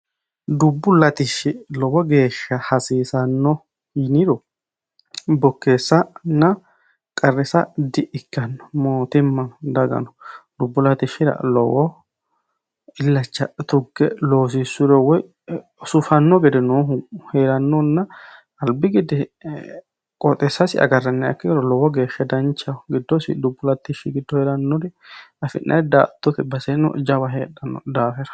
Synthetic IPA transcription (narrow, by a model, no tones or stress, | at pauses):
d̪ʊbːʊlɐt̪ɪʃːɪlɔwɔɡe̞ːʃːɐhɐsiːsɐnːɔ | hinɪɾɔ | bɔkːe̞ːsːɐnːɐ | kʼɐrːɛsɐd̪ɪʔɪkːɐnːɔmoːt̪ɪmːɐnd̪ɐɡɐ̰nɔ̥d̪ʊbːʊlɐt̪ɪʃːɪɾɐ̰lɔ̰wɔ | ɪlːɐt͡ʃːɐ̰t̪ʊɡːɛloːs̬ɪsːʊɾɛwɔj | sʊfɐnːɔɡɛd̪ɛnoːɦheːɾɐnːɔnːɐ | ɐlbɪɡɪd̪ɛ | kʼɔt̪ʼɛsːɐsɪɐ̰ɡɐrːɐnːɛɐ̰kːɪɡɛɾɔlɔwɔɡeːʃːɛd̪ɐnt͡ʃːɐɡɪd̪ːɔsɪ̰d̪ʊbːʊlɐt̪ːɪʃɪɡɪd̪ːɔheːɾɐnːɔɾɪɐfɪ̰nːʔɐ̰jd̪a̰ːt̪ːɔt̪ɛbɐsɛnɔ̰d͡ʒɐbɐɦeːᶑːɐnːɔ̰d̪aːfɛɾɐ̥